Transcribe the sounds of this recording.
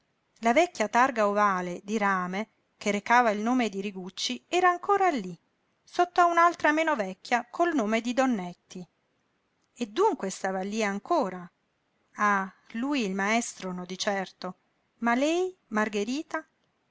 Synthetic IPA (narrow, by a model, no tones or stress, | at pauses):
lavɛkːjat̪arɡaovaːled̪iɾaːme | keɾekaːvailnoːmed̪iɾiɡut͡ʃːiɛːɾaːŋkoːɾalːi | sot̪ːoaunalt̪ɾameːnovɛkːjakʰolnoːmed̪id̪onːɛt̪ːi | ed̪ːuŋkwest̪aːvalːiaŋkoːɾa | a | lujilmaɛst̪ɾonod̪it͡ʃɛrt̪o | malɛjmarɡeɾiːt̪a